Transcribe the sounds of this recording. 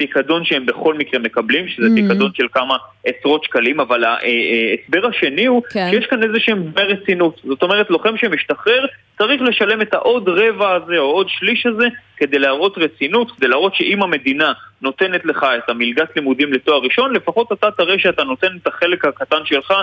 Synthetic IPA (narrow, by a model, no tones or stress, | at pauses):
pikado̞nʃeembe̞χo̞lmikʁeme̞kablimʃezepikad̪o̞nʃe̞lkamae̞sʁo̞tʃkalimavalaʔeesbe̞ʁhaʃe̞nihuʃʃejeʃkane̞zeʃemdmeʁet͡sinutzo̞t̪o̞me̞ʁ̞etlo̞χe̞mʃemiʃtaχe̞ʁ | t͡saʁiχle̞ʃale̞metaʔo̞dʁe̞vaːze̞oo̞dʃliʃaze̞ke̞d̪e̞jleaʁo̞t̪ʁet͡sinutked̪ejlaːʁo̞tʃe̞ʔimhame̞d̪inano̞te̞netle̞χaetamilɡat̪limudimle̞toaʁiʃo̞nlefaχo̞tat̪at̪aʁeʃeatano̞te̞netaχe̞le̞khakatanʃe̞lχa